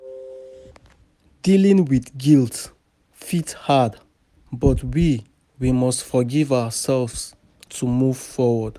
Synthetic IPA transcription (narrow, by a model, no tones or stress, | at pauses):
d̥ilĩŋwiθɡilˠt | fithad | bɔtwi | wimɔstfɔɡivaəsɛlvs | tʰumuv̥fɔwəd̥